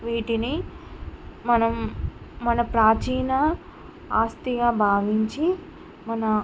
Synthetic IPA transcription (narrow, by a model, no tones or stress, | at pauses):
ʋiːʈini | mɐnɐmː | ɐnɐpɾaːt͡ʃiːnɐ | aːst̪ijaːbʱaːʋiɲt͡ʃi | mɐnɐ